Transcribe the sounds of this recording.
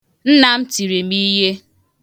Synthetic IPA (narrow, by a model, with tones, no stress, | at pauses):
n̩˦na˨m̩˦ti˨ɾi˨mi˦je˦